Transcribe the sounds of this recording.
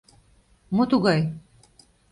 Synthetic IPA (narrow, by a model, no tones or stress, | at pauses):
mot̪uɣɑj